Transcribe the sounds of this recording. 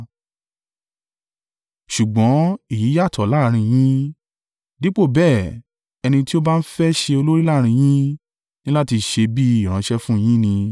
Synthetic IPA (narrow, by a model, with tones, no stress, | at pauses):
ʃu˨ɡ͡bɔ̃˨˦i˦˨ji˨˦ja˦˨tʰɔ˨la˨˦ɾ̃ĩ˧j̃ĩ˦ | di˨˦k͡po˦˨bɛː˦˨ | ɛ˧nĩ˧ti˦o˦ba˦n̩˦fɛ˦ʃe˧o˧lo˦ɾi˦la˦˨ɾ̃ĩ˧j̃ĩ˦ | nĩ˦la˦ti˧ʃe˧bi˦i˦˨ɾ̃ã˨˦ʃɛ˦fũ˦˨j̃ĩ˦nĩ˧